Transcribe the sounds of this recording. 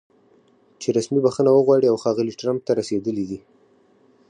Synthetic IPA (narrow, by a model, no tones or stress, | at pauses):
t͡ʃeɾasmibaxənawəɣwɑɽiawxɑɣəliʈɾamp̚t̪aɾased̪əlid̪i